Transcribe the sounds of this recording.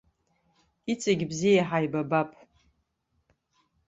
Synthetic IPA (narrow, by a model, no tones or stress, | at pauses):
it͡sʼaɡʲbzijaħajbabapʼ